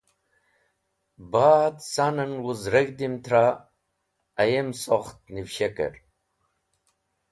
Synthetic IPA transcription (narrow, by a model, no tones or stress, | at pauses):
bat̪sanənwuzɾəɡd̪imt̪ʰɾa | jemsoχt̪̚niwɕekə̰ɾ